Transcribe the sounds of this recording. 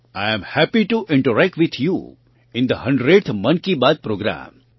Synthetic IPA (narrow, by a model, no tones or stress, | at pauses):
ajə̃mhæpiʈuʔɪ̃ɳʈəɾæk̚ʈʋɪt̪ʰjṵ | ɪ̃nd̪əhʌ̃ɳɖɾeɖt̪ʰmʌ̃nkibad̪̚pɾoːɡɾã̰ːm